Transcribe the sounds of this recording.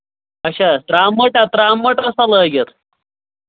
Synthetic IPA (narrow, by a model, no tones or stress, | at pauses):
ɐɕat̪ɾamːəʈat̪ɾamːəʈəsaləɡət̪